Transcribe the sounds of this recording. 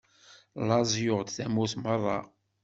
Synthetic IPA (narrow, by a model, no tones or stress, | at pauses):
lɑzˤjʊʁd̪θæmuθmərˤːɑ̰